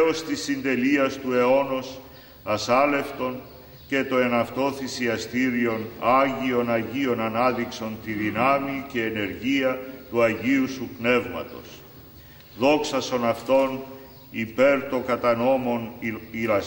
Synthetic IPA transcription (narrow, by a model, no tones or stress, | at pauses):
ost̪isːind̪e̞liɐst̪ue̞o̞no̞s | ɐsɐle̞ft̪o̞n | ce̞t̪o̞e̞nɐft̪o̞θisiɐst̪iɾio̞nɐʝio̞nɐʝio̞nɐnɐðikso̞nt̪iðinɐmice̞ːne̞ɾʝiɐt̪uɐʝiusupne̞vmɐ̰t̪o̞̰s | ðo̞ksɐso̞nɐft̪o̞n | ipe̞ɾt̪o̞kɐt̪ɐno̞mo̞niɾɐ